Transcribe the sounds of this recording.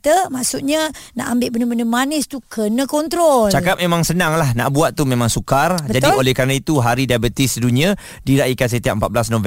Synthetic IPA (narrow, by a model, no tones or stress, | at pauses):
t̪əmaʔsuʔɲana̰ʔambɪʔbənəbənəmanɪst̪ukʰənəkɔnt̪ɾɔlt͡ʃakap̚memãŋsənaŋlahna̰ʔbuat̪̚ːumemãŋsukarbəd͡ʒadiolɛhkaɾənait̪uɦaɾidabət̪isduniã | diɾaʔikans̬ət̪iaʔ̚mpat̪̚bəlasnõvɛ